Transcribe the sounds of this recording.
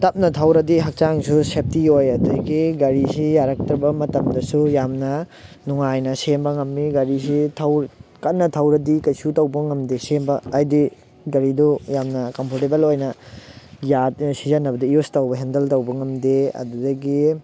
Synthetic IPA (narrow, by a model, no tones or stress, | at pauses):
tɐp̚nɐtʰɐwɾɐdiɦɐk̚t͡ʃaŋsusep̚tiojɐduɐɡiɡɐɾisijaɾɐk̚tɾɐbɐmɐtɐmdɐsujamnɐ | nuŋajnɐsembɐŋɐmːiɡɐɾis̬itʰɐwɾkɐt̚nɐtʰɐwɾɐdikɐjsutɐwbɐŋɐmdesembɐːjdi | ɡɐɾidujamnɐkɐmpʰoɾtebelojnɐ | jat̚sizɐnːɐbɐdiijustɐwbɐɦendɐltɐwbɐŋɐmdeɐ̰dudɐɡi